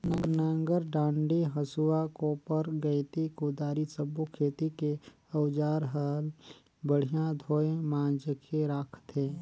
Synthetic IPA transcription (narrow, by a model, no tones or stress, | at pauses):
nənãŋɡəɾɖãːɳɖiɦəsuakopəɾɡəɪt̪ikod̪aːɾisəbokʰeːt̪ike | əwd͡ʒaːɾɦəl | bəɽ̤ijãd̪ʱoːemãːd͡ʒəkʰeɾakʰt̪eː